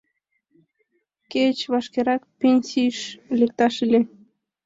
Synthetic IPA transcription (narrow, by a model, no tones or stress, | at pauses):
ket͡ɕβɑʃkeɾɑkpʲenʲsʲiʃlʲekt̪ɑʃilʲe